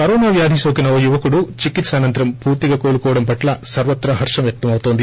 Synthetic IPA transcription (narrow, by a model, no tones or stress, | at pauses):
kɐɾɔːnaːʋjaːd̪ʱisoːkinɐojuʋɐkuɽut͡ʃikit̪saːnɐnt̪ɐɾɐmpuːɾt̪iɡɐkoːlukɔːʋɐɽɐmpɐʈlɐsɐɾʋɐt̪ːɾɐɦɐɾʂɐmʋjɐk̚t̪ɐmɐʋut̪o̞ːnd̪i